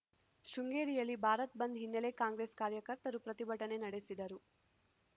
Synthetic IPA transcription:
ʃuŋɡeːɾijɐlːibʱaːɾɐt̪̚bɐnd̪ɦinːelekaːŋɡɾe̞ːskaːɾjɐkɐɾt̪ɐɾupɾɐt̪ibʱɐʈɐne̞nɐɽe̞sid̪ɐɾu

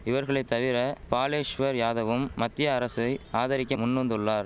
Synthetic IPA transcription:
ɪʋɐɾɣɐɭɐɪt̪ːɐʋɪɾɐpaːleːʂʋɐɾjaːðɐʋɯmːɐt̪ːɪjɐːɾɐsɐɪaːðɐɾɪkʲːɐmʊnːɐnd̪ɯɭːaːɾ

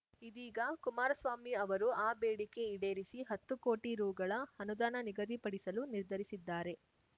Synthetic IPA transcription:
id̪iːɡɐkumaːɾɐsʋaːmiɐʋɐɾuaːbeːɽike̞iɽe̞ːɾisiɦɐt̪ːuko̞ːʈiɾuːɡɐɭɐɐnud̪aːnɐniɡɐd̪ipɐɽisɐluniɾd̪ʱɐɾisid̪ːaːɾe̞

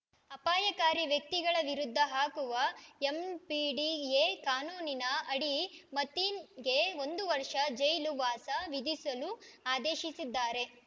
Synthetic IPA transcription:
ɐpaːjɐkaːɾiʋjɐk̚t̪iɡɐɭɐʋiɾud̪ʱːɐɦaːkuʋɐempiːɖiekaːnuːninɐɐɽimɐt̪iːnɡe̞o̞nd̪uʋɐɾʂɐd͡ʒɐjluʋaːsɐʋid̪isɐluaːd̪eːʃisid̪ːaːɾe̞

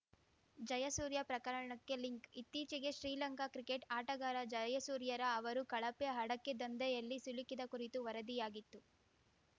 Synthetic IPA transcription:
d͡ʒɐjɐsuːɾjɐpɾɐkɐɾɐɳɐkːe̞liŋkit̪ːiːt͡ʃiɡe̞ʃɾiːlɐŋkakɾikeʈaːʈɐɡaːɾɐd͡ʒɐjɐsuːɾjɐɾɐːʋɐɾukɐɭɐpeɦɐɽɐkːed̪ɐnd̪ɐjɐlːisulikid̪ɐkuɾit̪uʋɐɾɐd̪ijaːɡit̪ːu

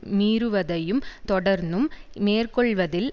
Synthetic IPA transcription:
miːɾɯʋɐðɐjɯmt̪ɔɽɐɾnd̪ɯmmeːrkɔɭʋɐðɪl

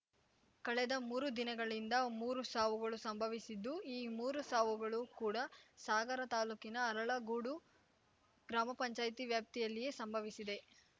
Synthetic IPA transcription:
kɐɭɛd̪ɐmuːɾud̪inɐɡɐɭind̪ɐmuːɾusaːʋuɡɐɭusɐmbʱɐʋisid̪ːuiːmuːɾusaːʋuɡɐɭukuːɽɐsaːɡɐɾɐt̪aːluːkinɐːɾɐɭɐɡuɽu | ɡ̥ɾaːmɐpɐɲt͡ʃaːjt̪iʋjaːp̚t̪ijɐlːije̞ːsɐmbʱɐʋisid̪e̞

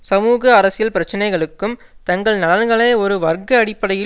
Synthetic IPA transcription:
sɐmuːɣɐːɾɐsɪjɐlpɪɾɐt͡ʃːɐnɐɪɣɐɭɯkːɯm | t̪ɐŋɡɐɭnɐlɐnɡɐɭɐːɔɾɯʋɐrɡɐːɽɪpːɐɽɐjɪ

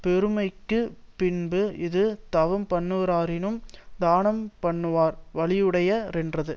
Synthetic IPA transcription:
pɛɾɯmɐɪkːɯpɪnbɯɪðɯt̪ɐʋɐmpɐɳːɯʋɾaːɾɪnɯmd̪aːnɐmpɐɳːɯʋaːɾʋɐɭɪjɯɽɐjɐɾɛndrɐðɯ

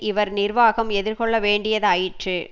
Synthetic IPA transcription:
ʔɪʋɐɾnɪɾʋaːɣɐmɛðɪɾkɔɭːɐʋeːɳɖɪjɐðɯɐjɪʈrɯ

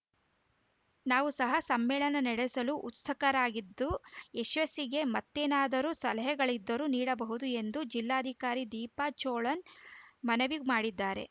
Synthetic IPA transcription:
naːʋusɐɦɐsɐmːɛːɭɐnɐnɛɽesɐluʔut̪sɐkɐɾaːɡid̪ːueʃʋɐsiɡe̞mɐt̪ːeːnaːd̪ɐɾusɐlɐɦɐɡɐɭid̪ːɐɾuniːɽɐbɐɦud̪ue̞nd̪ud͡ʒilːaːɐd̪ʱikaːɾid̪iːpat͡ʃoːɭɐnmɐnɐʋiɡmaːɽid̪ːaːɾe̞̰

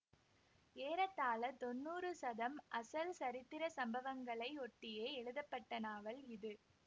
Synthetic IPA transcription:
eːɾɐt̪ːaːlɐt̪ɔnːuːrɯsɐðɐmʔɐsɐlsɐɾɪt̪ːɪɾɐsɐmbɐʋɐŋɡɐɭɐɪɔʈːɪjeːɛɻɯðɐpːɐʈːɐnaːʋɐlɪðɯ

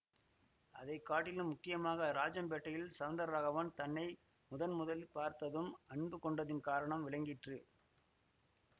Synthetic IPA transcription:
ɐðɐɪkːaːʈːɪlɯmːʊkːɪjɐmaːɣɐɾaːd͡ʒɐmbeːʈːɐjɪlsɐʋɐnd̪ɐɾɾaːɣɐʋɐnt̪ɐnːɐɪ | mʊðɐnmʊðɐlpaːɾt̪ɐðɯmɐɳbɯkɔɳɖɐðɪnkaːɾɐɳɐmʋɪɭɐɪŋɡɪʈrɯ

